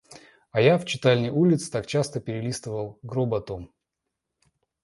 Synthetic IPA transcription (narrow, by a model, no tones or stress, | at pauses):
ajaft͡ɕɪt̪alʲnʲəjulʲɪt̪sɨ̥t̪ak̚t͡ɕast̪əpʲɪɾʲɪlʲist̪əvəlˠɡɾobɐt̪om